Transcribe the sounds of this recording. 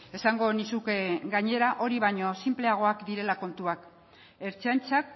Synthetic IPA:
e̞saŋɡo̞nisukeɡaɲe̞ɾaʔo̞ɾiβ̞aɲo̞simple̞aɣ̞o̞akd̪iɾe̞lako̞nt̪uak | e̞ɾt͡seant͡sak̚

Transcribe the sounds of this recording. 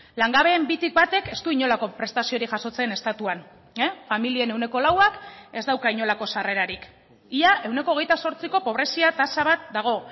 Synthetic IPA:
laŋɡaβe̞ːmbit̪ik̚bat̪e̞ke̞st̪uiɲo̞lako̞pɾe̞st̪asio̞ɾiʝaso̞t͡se̞ne̞st̪at̪uan | efamilie̞ne̞wne̞ko̞lawake̞zd̪awkaiɲo̞lako̞sare̞ɾaɾik | iaʔe̞wne̞koːɣe̞jt̪aso̞ɾt͡siko̞po̞β̞ɾe̞siat̪asaβat̪̚d̪aɣ̞o̞

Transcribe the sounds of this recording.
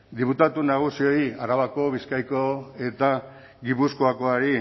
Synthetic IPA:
d̪iput̪at̪unaɣ̞usio̞iaɾaβako̞βiskajkoe̞t̪a | ɡipuskoako̞aɾi

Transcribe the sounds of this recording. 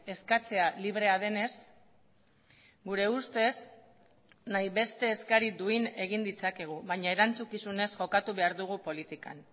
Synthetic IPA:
e̞skat͡se̞aliβ̞ɾe̞að̞e̞ne̞s | ɡuɾe̞ust̪e̞s | najβe̞st̪e̞ːskaɾid̪uine̞ɣ̞ind̪it͡sake̞ɣ̞uβajɲaeɾant͡sukisune̞sʝo̞kat̪uβe̞aɾðuɣ̞upo̞lit̪ika̰n

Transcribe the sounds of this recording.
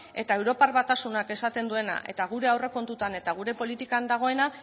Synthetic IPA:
e̞t̪ae̞wɾo̞parβat̪asunake̞sat̪e̞nd̪ue̞na̰ʔe̞̰t̪aɣ̞uɾe̞awre̞ko̞nt̪ut̪ane̞t̪aɣ̞uɾe̞po̞lit̪ikand̪aɣ̞o̞e̞na

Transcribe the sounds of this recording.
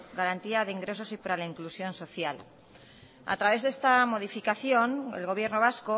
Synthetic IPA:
ɡaɾant̪iaðe̞iŋɡɾe̞so̞sipaɾalaiŋklusjo̞nso̞θjal | a̰t̪ɾaβe̞zðe̞st̪amo̞ð̞ifikaθjo̞nḛlɣo̞β̞je̞ɾno̞β̞asko̞

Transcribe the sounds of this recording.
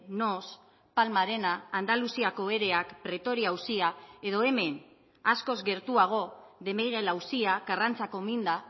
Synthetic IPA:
no̞s | palmaɾe̞naːnd̪alusiako̞e̞ɾe̞akpɾe̞t̪o̞ɾiawsiae̞ðo̞e̞me̞n | asko̞zɡe̞ɾt̪uaɣ̞o̞ðe̞meɣ̞e̞lawsiakarant͡sako̞mind̪a

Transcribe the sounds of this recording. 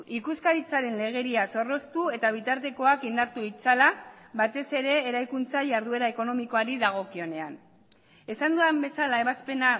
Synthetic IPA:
ikuskaɾit͡saɾe̞nle̞ɣ̞e̞ɾiaso̞ro̞st̪ue̞t̪aβ̞it̪aɾt̪e̞ko̞akind̪aɾt̪uit͡salaβat̪e̞se̞ɾe̞ːɾajkunt͡saʝaɾðue̞ɾae̞ko̞no̞miko̞aɾiðaɣ̞o̞kio̞ne̞an | e̞sand̪uambe̞salaeβaspe̞na

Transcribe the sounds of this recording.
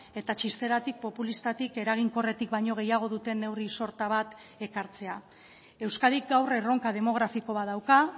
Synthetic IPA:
e̞t̪at͡ʃist̪e̞ɾat̪ik̚po̞pulist̪at̪ike̞ɾaɣ̞iŋko̞re̞t̪ikbajɲo̞ɣ̞e̞jaɣ̞o̞ðut̪e̞ne̞wriso̞ɾt̪aβat̪ | e̞kaɾt͡se̞a | e̞wskaðik̚ɡawre̞ro̞ŋkað̞e̞mo̞ɣ̞ɾafiko̞βaðawka

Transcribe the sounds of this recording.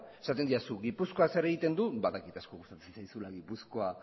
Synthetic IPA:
e̞sat̪e̞nd̪iasuɣipusko̞ase̞ɾe̞ɣ̞it̪e̞nd̪ubaðakit̪asko̞ɣust̪at̪u̥sensajsulaɣipusko̞a

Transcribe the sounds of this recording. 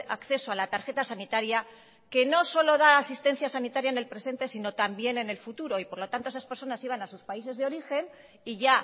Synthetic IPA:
a̰kθe̞so̞alat̪aɾxe̞t̪asanit̪aɾja | ke̞no̞so̞lo̞ð̞aːsist̪e̞n̟θjasanit̪aɾjaene̞lpɾe̞se̞nt̪e̞sino̞t̪ambje̞ne̞ne̞lfut̪uɾo̞ipo̞ɾlo̞t̪ant̪o̞esaspe̞ɾso̞nasiβ̞anasuspaise̞zðeo̞ɾixe̞n | iʝa

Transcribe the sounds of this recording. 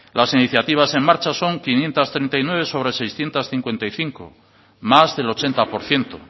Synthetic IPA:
lasiniθjat̪iβ̞ase̞ŋmaɾt͡ʃaso̞ŋkinje̞nt̪ast̪ɾejnt̪ajnwe̞β̞e̞so̞βɾe̞se̞jsθje̞nt̪asθiŋkwe̞nt̪ajθiŋko̰ | mazðe̞lo̞t͡ʃe̞nt̪apo̞ɾθje̞nt̪o

